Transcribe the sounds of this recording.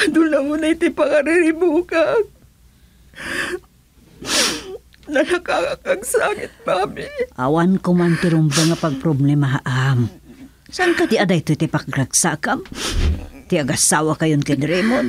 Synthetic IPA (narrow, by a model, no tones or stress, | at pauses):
d̪ʊlamʊnat̪ipakaɾɪɾɪbuka | nɐnakakakaɡsakɪt̪̚mamɪʔa̰wankomant̪ɪɾʊmbaŋapaɡ̚pɾoblɛmaɦaʔam | saŋkat̪ɪad̪ajt̪ot̪ɪpakɾaɡsakam | t̪ɪaɡasaːwakajonkanɾɛmon